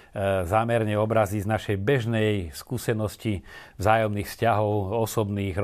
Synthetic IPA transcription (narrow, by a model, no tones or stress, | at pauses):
zaːmɛɾɲɛɔbɾaziznaʃɛjbɛʒnɛjskuːsɛnɔscivzaːjɔmniːxfscaɦɔʊɔsɔbniːɣ